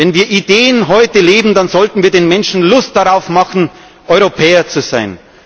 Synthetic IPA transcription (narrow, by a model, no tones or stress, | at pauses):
vɛnviːɐʔideːənɦɔʏtəleːbm̩danzɔltn̩viːɐdeːnmɛnʃn̩lʊstd̥aʁaʊfmɑχn̩ | ʔɔʏʁopʰɛːɐt͡suzaɪn